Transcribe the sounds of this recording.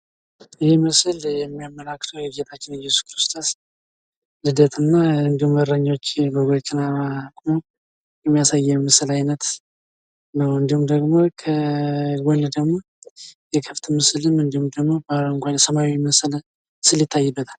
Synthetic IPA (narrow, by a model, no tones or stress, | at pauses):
əhemɨsɨljɛmːijamːəlakːt̪ʰəwjɛbd͡ʒet̪ʰat͡ʃːɪnjɛsu̥skɾɨst̪ʰo̞s | lɨd̪ət̪ʰɨnːaɨnd̪ihuməɾəɲːot͡ʃːbəɡokʼːinaakʼmo | jɛmːijasajːɛmɨsɨlajnət̪ | nəwɨnd̪ihumd̪əɡmokʰəɡɔnd̪əɡmo̞ | jɛkʰəft̪ʰmɨsɨlɨmɨnd̪ihumd̪əɡmo̞baloɨŋkʷʰansəmawimɨsl | sɨljɪt̪ʰːajːɨbːət̪ʰal